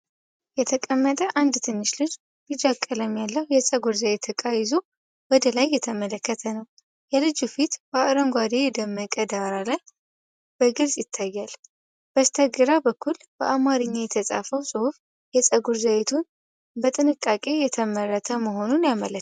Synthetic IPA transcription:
jɛt̪ʰəkʼəmːət̪ʼəʔand̪t̪ʰɨnːɨʃlɨd͡ʒ | lɨd͡ʒakʼːələmjalːəhujɛsʼəɡuɾzaβet̪ʰːəkʼajɪzo | wɔd̪əlajːɛt̪ʰəmələkːət̪ʰənəw | jɛlɨd͡ʒufit̪bəaʔɾəŋɡʷad̪ejɛd̪əmːəkʼəd̪aɾalaj | b̥əɡɨlsʼjɪt̪ʰːajːal | b̥əst̪ʰəɡɨɾabəkːul | b̥əʔamaɾɨɲːajɛt̪ʰəsʼa̰fəwsʼɨhuf | jɛsʼəɡuɾzawet̪ʰun | bət̪ʼɨnɨkʼːakʼe̞jɛt̪ʰəmərːət̪ʰəməɦo̞nunjamələ

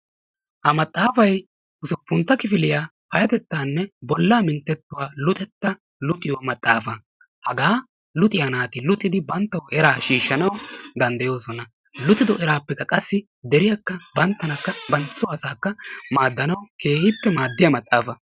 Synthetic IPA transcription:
hɐmɐt̪ʼːaːfɐj | ʔʊsʊpːʊnt̪ːɐkɪfɪlɪjaː | hɐjɐt̪ɛt̪ːaːnːɛbɔlːaːmɪnt̪ːɛt̪ːʊwaːlʊt̪ʼɛt̪ːɐ | lʊt̪ʼɪjɔmɐt̪ʼːaːfɐ | hɐɡaː | lʊt̪ʼɪjɐnaːt̪ɪlʊt̪ʼːɪd̪ɪbɐnt̪ːɐwʔɛɾaːʃiːʃːɐnɐwd̪ɐnd̪ɐjo̞ːsɔnɐ | lʊt̪ʼɪd̪ɔʔɛɾaːpːɛkːɐkʼɐsːɪ | d̪ɛɾɪjɐkːɐbɐnt̪ːɐnɐkːɐbɐnt͡sːʊɐsaːkːɐmaːd̪ːɐnɐwkʰe̞ːhɪpːɛmaːd̪ːɪjɐmɐt̪ʼːaːfɐ

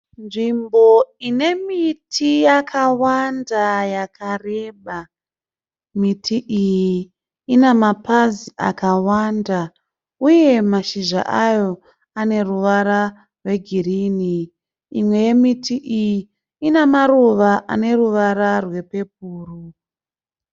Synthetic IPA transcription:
nʐimbo̞ine̞mitʰijakʰawandajakʰare̞ːɓa | mitʰiʔijiiː | nemapaziʔa̰kawanda | uje̞maʃiʒa̰ʔajo̞ | ane̞ruʋaɾa | rwe̞ɡʱiriːniː | mwe̞je̞mitʰiʔiji | inamaɾuʋaʔa̰ne̞ruʋaɾarwe̞pe̞p̚uːru

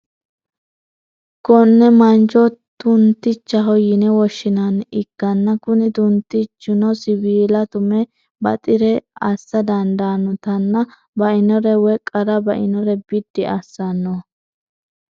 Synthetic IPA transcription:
kɔnːɛmɐnd͡ʒɔt̪ʊnt̪ːɪt͡ʃːɐɦɔjɪnɛwɔʃːɪnɐnɪɡ̥ːɐnːɐkʊnɪd̪ʊnt̪ɪt͡ʃːʊnɔsɪbiːlɐt̪ʊmɛ | bɐ̰t̪ʼɪɾɛɐsːɐd̪ɐnd̪aːnɔt̪ɐnːɐ | bɐʔɪnɔɾɛwɛkʼːɐɾɐbɐʔɪnɔɾɛbɪd̪ːɪʔɐsːɐnːɔ

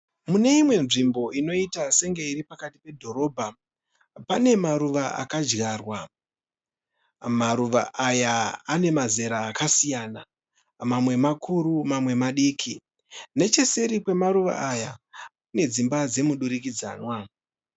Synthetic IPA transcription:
mune̞imwe̞nʐimbo̞ino̞itase̞ŋɡeiɾipakati̥pe̞dʱo̞ɾo̞ːbʱa | pane̞maɾuʋaʔa̰kad͡ʒɣarwa | maɾuʋa̰ʔajaːne̞maze̞ɾaːkasijaːna | mamwe̞makʰuɾumamwe̞maɗiːkʰi | ne̞t͡ʃe̞se̞ɾikwe̞maɾuʋa̰ʔajakune̞d͡zimbad͡ze̞muɗuɾikid͡za̰ːnwa

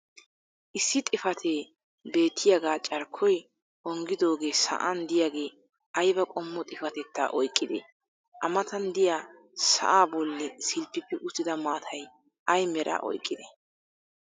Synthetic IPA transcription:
ʔɪsːɪt̪ʼɪfɐt̪ʰeː | be̞ːt̪ʰːɪjaɡaːt͡ʃʼɐɾkʰːɔj | ɔŋɡɪd̪o̞ːɡe̞ːsɐ̰ʔɐnd̪ɪjaɡe̞ː | ʔɐjbɐkʼɔmːɔt̪ʼɪfɐt̪ɛt̪ːa̰ːʔɔjkʼːɪd̪ɛ̰ | ʔɐmɐt̪ɐnd̪ɪjaː | sɐ̰ʔaːbɔlːɛsɪlpːɪpːɪʔʊsɪd̪ɐmaːt̪ʰɐj | ʔɐjmɛɾʔa̰ːʔɔ̰jkʼːɪd̪ɛ

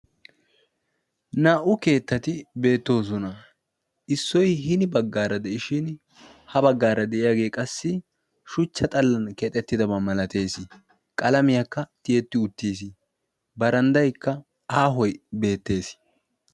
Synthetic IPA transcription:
naːʔʊke̞ːt̪ːɐt̪ɪbe̞ːt̪ːo̞ːs̬ɔnɐ | ɪsːɔjɦɪnɪbɐɡːaːɾɐd̪ɛʔɪʃɪn | hɐbɐɡːaːɾɐd̪ɛʔɪjaːɡe̞ːkʼɐsːɪ | ʃʊt͡ʃːɐt̪ʼɐlːɐnkɛt̪ʼɛt̪ːɪd̪ɐbɐmɐlɐt̪e̞ːsɪ | kʼɐlɐmɪjakːɐt̪ɪjɛt̪ːɪʊt̪ːiːs̬ɪ | bɐɾɐnd̪ɐjkːɐ | aːɦɔjbe̞ːt̪ːe̞ːs

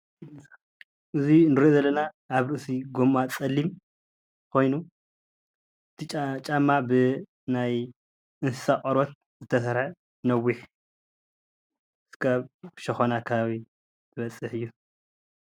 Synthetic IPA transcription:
ʔɨzinɨɾozɐlːɐnaː | βɾɨʔɨsiɡomːat͡sʼɐlːim | kʰo̞jnu | ɨt̪ʰit͡ʃʼt͡ʃʼamːabɨ | naj | ɨnsɨ̥sakʼɐɾot̪̚ | zɨt̪ʰɐsɐɾħa | nɐwːiħ | skʰaβʃɐxonakʰɐβaβi | t̪ʰɨβɐt͡sʼːɨħɨjːu

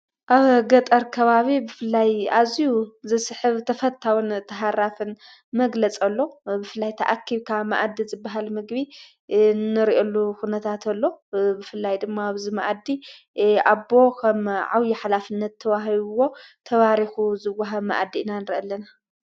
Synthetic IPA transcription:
ʔaβɡɐt̪ʼɐɾkʰɐβaβibɨfɨlːajazijuzɨsɨħɨβt̪ʰɐfɐt̪ʰawunt̪ʰɐɦaɾafɨn | mɐɡlɐt͡sʼɐlːo̞bɨfɨlːajt̪ʰɐ̰ʔakʰːiβkʰama̰ʔad̪ːizɨbːaɦalmɨɡβi | nɨɾiʔolːuxunɐt̪ʰat̪ʰɐlːo̞bɨfɨlːajd̪ɨmːaaβzimaʔad̪i | abo̞kʰɐmʕawjiħalafɨnːɐt̪ʰːɐβaɦiβuwo̞t̪ʰɐβaɾixuzɨwːaɦɐma̰ʔad̪ːinanɨɾiʔɐlːɐna

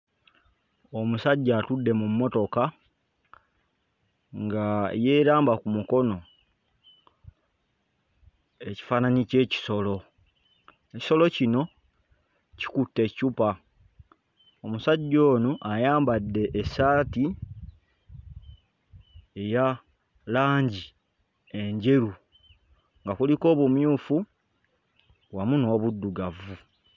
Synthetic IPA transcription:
omusaɟːaːtudːe̞mumːo̞to̞ka | ŋɡajeːɾaːmbakumuko̞no̞ | eci̥fananice̞ːci̥so̞lo̞ | eci̥so̞lo̞cino̞ | ci̥kutːe̞cupa | omusaɟːo̞ːnuʔajaːmbadːe̞ʔːsaːti | e̞ja | laːɲɟi | e̞ɲɟe̞ɾu | ŋɡakuliko̞ːβumjuːfu | wamuno̞ːβudːuɡavu

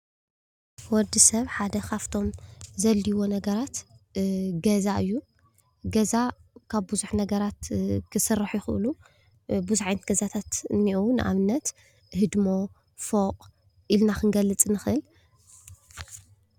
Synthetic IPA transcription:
wɔd̪isɐβħad̪ɐkʰaft̪ʰo̞mzɐlːiwo̞nɐɡɐɾat̪ | ɡɐzaʔɨjːu | ɡɐzakʰaβbɨzuħnɐɡɐɾat̪kʰɨsɨrːaħjɪxɨʔɨlu | buzuħajnɐt̪̚ɡɐzat̪ʰat̪ɨniʔunɨʔa̰βɨnːɐt̪ | ɦɨd̪mo | foqʼ | ʔilnakɨŋɡɐlːɨt͡sʼnɨxʔɨl

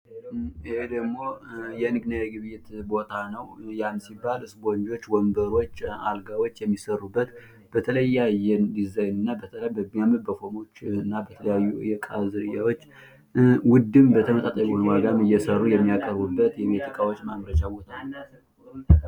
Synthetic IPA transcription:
ɨhed̪əɡmːo̞jɛnɨɡnajɛɡɨβjɪt̪bo̞t̪ʰanəwjamsibːalɨsbond͡ʒo̞t͡ʃːwɔmbəɾo̞t͡ʃːalɡawot͡ʃːjɛmːisərːubːət̪ | b̥ət̪ʰələjːajɛnd̪izajnɨnːabət̪ʰələabəmːijaməd̪̚bəfo̞mo̞t͡ʃːɨnːabət̪ʰələjajːujɛkʼazɨɾɨjawo̞t͡ʃː | wʊd̪ːɨmbət̪ʰəmət̪ʼat̪ʼəjɛhonwaɡamɨjːɛsərːujɛmːijakʼəɾbubːət̪jɛmet̪ʰikʼawo̞t͡ʃːmamɾət͡ʃabo̞t̪ʰaəa

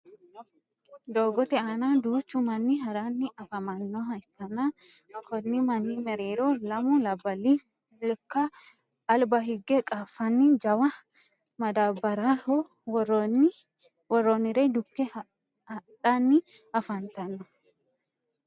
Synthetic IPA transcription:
d̪oːɡɔt̪ɛaːnaːd̪uːt͡ʃːumɐnːiɦɐɾaːnːɪɐfɐmɐnːɔɐtːɐnaɐkɔnːimɐnːimɛɾeːɾoːlɐmʊlɐbɐlːi | lkːɐː | lbɐɦɪɡːɛkʼafɐnːid͡ʒɐwɐ | mɐd̪aːbɐɾaɔ | wɔrːonɪɾeːd̪ʊkːɛ | hɐᶑaːnːɪɐfɐnt̪ɐnːɔ

